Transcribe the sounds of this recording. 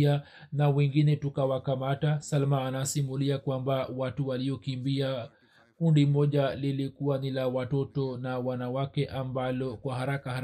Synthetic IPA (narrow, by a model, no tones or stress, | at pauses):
a | nawɛŋɡinɛtukawakamatasalmaːnasimuliakwambawatuwaliɔkimbia | kundimɔʄalilikuwanilawatɔtɔnawanawakɛʔambalɔkwahaɾakahaɾ